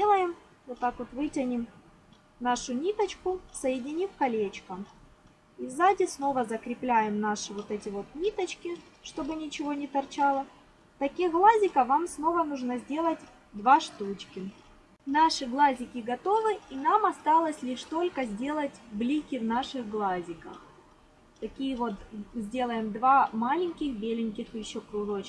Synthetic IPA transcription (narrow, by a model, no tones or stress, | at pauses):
elˠəjɪm | vot̪ːakvot̪vɨtʲɐnʲɪm | naʂʊnʲit̪ət͡ɕkʊsɐjɪdʲɪnʲifkɐlʲet͡ɕkə | ivzadʲɪsno̞vəzəkɾʲɪplʲæjɪmnaʂɨvot̪ɛtʲɪvo̞t̪nʲit̪ət͡ɕkʲɪʂt̪o̞bɨnʲɪt͡ɕɪvo̞nʲɪt̪ɐrt͡ɕalˠə | t̪ɐkʲixɡlˠazʲɪkəvamsno̞vənuʐnəzʲdʲe̞lˠət̚ʲ | d̪vaʂt̪ut͡ɕkʲɪ | naʂɨɡlˠazʲɪkʲɪɡɐt̪o̞vɨinamɐst̪alˠəsʲlʲiʂt̪o̞lʲkəzʲdʲe̞lˠətʲblʲikʲɪvnaʂɨɣɡlˠazʲɪkəx | t̪ɐkʲijəvot̪zʲdʲe̞lˠəjɪmd̪vamalʲɪnʲkʲɪxbʲelʲɪnʲkʲɪxjɪɕːokɾʊd̪ot͡ɕ